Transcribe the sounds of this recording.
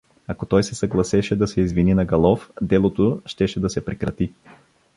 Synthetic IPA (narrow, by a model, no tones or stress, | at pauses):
ɐkot̪ɔjsɛsɐɡlˠɐsɛʃɛd̪ɐsɛizvininɐɡɐlˠɔfd̪ɛlˠot̪oʃt̪ɛʃɛd̪ɐsɛpɾɛkɾɐt̪i